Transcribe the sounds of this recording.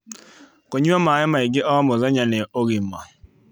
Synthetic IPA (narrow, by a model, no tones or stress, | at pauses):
koɲuamaɪmaiɡɪʔɔmɔzaɲaneoɣimːa̰